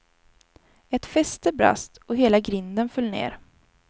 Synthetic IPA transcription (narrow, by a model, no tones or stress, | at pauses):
ɛt̪fɛst̪əbɾa̰st̪ɔɦeːlaɡɾɪnd̪ənfœlːnḛːɾ